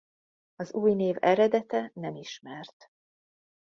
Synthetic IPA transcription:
ɒzuːjneːvɛɾɛd̪ɛt̪ɛnɛmiʃmɛrt̪

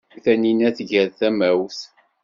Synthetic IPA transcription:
θæninæθʝæɾθæmæwθ

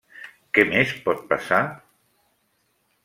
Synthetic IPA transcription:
kɛmespɔt̪̚pasa

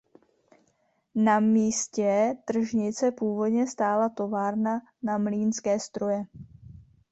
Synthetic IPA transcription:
namiːscɛt̪r̩ʒɲɪt͡sɛpuːvo̞dɲɛst̪aːlat̪o̞vaːɾna | namliːnskɛːst̪ɾo̞jɛ

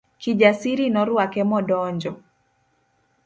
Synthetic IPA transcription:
kid͡ʒasiɾinɔɾwakɛmɔdɔɲd͡ʒɔ

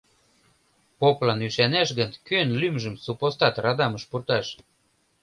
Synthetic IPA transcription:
poplɑnyʃænæʃɣənkønlymʒə̆msupost̪ɑt̪rɑd̪ɑməʃpurt̪ɑʃ

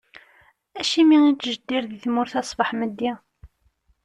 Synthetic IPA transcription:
æʃimiŋit͡sːʒəd̪ːiɾðiθmʊɾθɑsˤbəħməd̪ːæ

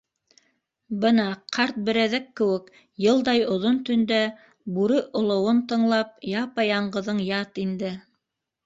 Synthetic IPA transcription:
bɤnɑqʰɑɾt̪̚bɘ̆ɾæðækːɘ̆wɘk | jɤ̆lˠd̪ɑjŏðont̪ɵ̆nd̪æ | buɾɵʔŏlˠŏwont̪ɤ̆ɴlˠɑp̚jɑpɑjɑɴɢɤ̆ðɤɴjɑt̪ind̪ɘ

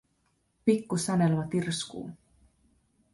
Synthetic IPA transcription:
pikːusænelmɑt̪irskṵː

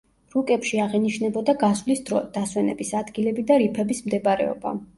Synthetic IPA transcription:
ɾukʼɛpʃiaʁɛniʃnɛbɔd̪aɡasvlisd̪̥aswɛnɛ̰bisad̪ɡilɛbid̪aɾipʰɛbismd̪ɛbɾɛ̰ɔ̰ba̰

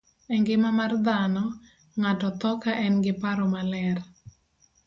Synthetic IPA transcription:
ɛŋɡɪmamard̪anɔ | ŋatɔt̪ɔkaʔɛnɡɪpaɾɔmalɛr

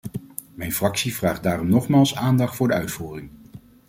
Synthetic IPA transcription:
mɛjnfrɑksivraːχd̚daːrɔmnɔχmaːlˠsaːndɑχtfʊːɹdəœɥtfuːrɪŋ

